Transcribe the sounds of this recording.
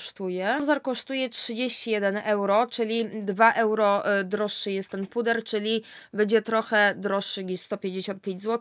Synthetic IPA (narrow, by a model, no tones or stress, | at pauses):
ʂt̪ujɛzaɾkɔʂt̪ujɛtʂɘd͡ʑeɕt͡ɕijɛd̪ɛnɛwɾɔt͡ʂɘlʲid̪vaʔɛwɾɔd̪ɾɔʂːɘjɛst̪ːɛnpud̪ɛɾt͡ʂɘlʲi | bɛd͡ʑɛt̪ɾɔxɛd̪ɾɔʂːɘɡɲiʂst̪ɔpʲjẽɲd͡ʑeɕɔnt̪̚pʲjẽɲd͡ʑʲzwɔt̪